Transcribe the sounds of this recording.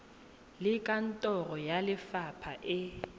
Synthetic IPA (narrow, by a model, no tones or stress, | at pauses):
lɪkʼan̩tʼɔrɔjalɪfapʰaʔɪ